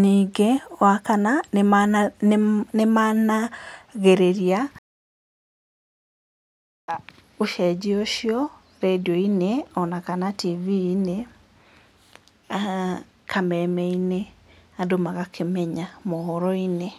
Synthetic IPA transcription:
niːɡewakana | nemanaɣeɾeɾia | oʃɛd͡ʒioʃiɔ | ɾediɔineɔnakanativiːne | a | kʰamɛmɛineadomaɣakʰemɛɲamɔhɔɾɔine

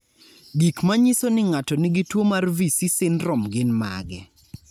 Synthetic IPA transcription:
ɡikmaɲisonɪŋatɔnɪɡɪtwomarvisisɪnrɔmɡɪnma̰ɡɛ

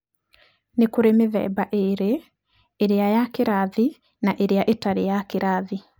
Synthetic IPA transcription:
nekoɾemeðɛ̰baʔeɾeː | ɾeajakeɾaði | naʔeɾeaʔetaɾejakeɾʔaði

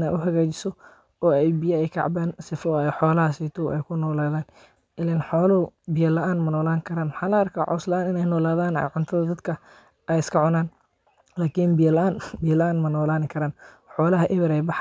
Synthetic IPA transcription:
nɛ̰jʔʊɦɐɣaːt͡ʃɪ̥sɔ | ɔːɛjbɪjɐɛjkʰɑ̰ʕbaːnsɪfɔɛħɔːlɐɦɐsiːt̪ʰɔʔɛ̰jkʰʊnɔːlaːðaːn | ɪlɛnħɔːlɐʊbɪjɐlɐʔaːnmɐnɔːlaːŋkʰɐɾaːnwħɑːlɐɐrkʰa̰ːʕɔ̰slɐʔaːnɪnɛjnɔːlaːðaːnɛ̰ʕʊnt̪ʰɐðɐd̪ɐd̪kʰɐ | ʔɛjɪskʰɐʕʊnaːn | laːkʰinbɪjɐlɐʔaːnbɪjɐlɐʔaːnmɐnɔːlaːnɪkʰɐɾaːnħɔːlɐɦɐʔɪβɪɾɛjbɑħ

